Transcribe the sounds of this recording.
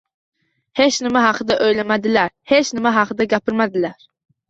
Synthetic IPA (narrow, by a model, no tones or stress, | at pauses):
het͡ʃnɪmaɦɑqʰɨd̪aʔøjlamad̪ɪlæɾhet͡ʃnɪmaɦɑqʰɨd̪aɡʲapɪɾmad̪ɪlæɾ